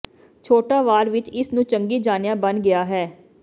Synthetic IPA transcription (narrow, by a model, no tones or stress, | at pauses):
t͡ʃʰoːʈaːʋaːɾʋɪt͡ʃɪsnũːt͡ʃəŋɡiːd͡ʒaːnjãːbənɡɪaːɦɛː